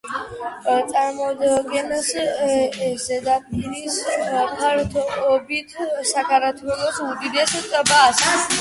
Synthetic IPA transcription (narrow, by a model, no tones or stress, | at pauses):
t͡sʼaɾmɔd̪ɡɛnəs | zed̪apʼiɾispʰaɾt̪ʰɔbit̪ʰsakʰaɾat̪ʰwɛlɔsud̪id̪ɛst̪ʼəbas